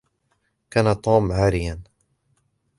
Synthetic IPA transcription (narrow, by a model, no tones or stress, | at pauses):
kaːnat̪ˤoːmʕaːɾɪjan